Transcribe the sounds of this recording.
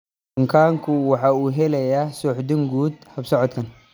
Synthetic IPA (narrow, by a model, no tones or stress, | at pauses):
bʊŋkʰaːŋkʰʊwɑħɑːuːɦɛlɛjasɔːħd̪ɪŋɡuːd̪hɐbsɔʕɔt̪kʰɐn